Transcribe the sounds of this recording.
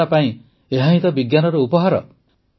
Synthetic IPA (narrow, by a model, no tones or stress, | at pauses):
apaĩ | eɦaɦĩt̪ɔbiɡjanɔɾɔupɔɦaɾɔ̰